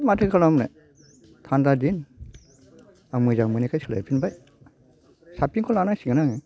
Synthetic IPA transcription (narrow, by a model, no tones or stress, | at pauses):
matʰɯkʰalamlḛ | tʰandadin | aŋmɯzaŋmɯnikʰajsɯla̰jpʰinbaj | sapiŋkʰɔlanajsiɡɯnaŋɯ